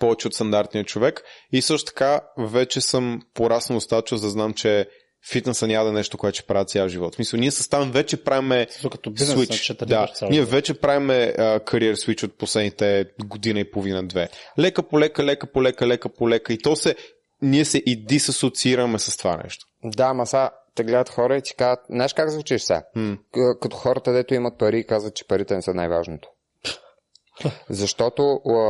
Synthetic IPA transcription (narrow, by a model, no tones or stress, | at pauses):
pɔvɛt͡ʃɛot̪st̪ɐnd̪aɾt̪nijət͡ʃovɛkisɤʃt̪o̥t̪ɐ̥kavɛt͡ʃɛsəmpoɾasnod̪ost̪at̪ət͡ʃəlzd̪ɐznamt͡ʃɛ | fit̪nəsənʲad̪ɛnɛʃt̪okoɛt̪t͡ʃɛ̥pɾavət̪sjaʒivɔt̪smisəlˠniɛsə̥st̪avmvɛt͡ʃɛpɾavimɛd̪okɐt̪ɔswit͡ʃt͡ʃɛt̪d̪aniɛvɛt͡ʃɛpɾavimɛəkʰɐɾiɛɾswit͡ʃot̪̚poslɛd̪nit̪ɛɡod̪inəipovinəd̪vɛlɛkəpolɛkəlɛkəpolɛkəlɛkəpolɛkəit̪ɔsɛ | niɛsɛʔid̪isɐsot̪siiɾəmɛsɐst̪ova̰nɛ̰ʃt̪o̥ | d̪amɐsat̪ɛɡlɛd̪ət̪xɔɾəit̪i̥kazət̪̚nɛɛʃkakzvut͡ʃiʃsa̰ | kɐt̪o̥xɔɾət̪əd̪ɛt̪oimɐt̪̚pɐɾiːkazvət̪̚t͡ʃɛ̥pɐɾit̪ɛnɛsənajva̰ʒnot̪o̥ | zɐʃt̪ɔt̪o